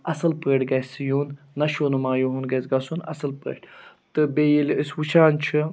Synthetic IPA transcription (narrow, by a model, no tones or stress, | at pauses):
ɐsɨlpəʈɡɐsijuːnː | ɐʃoːnumaːjuɦunɡɐsɡɐsunɐ̰sɨlpə̰ːʈt̪ɨbeːjiləswut͡ʃʰaːnt͡ʃʰɨ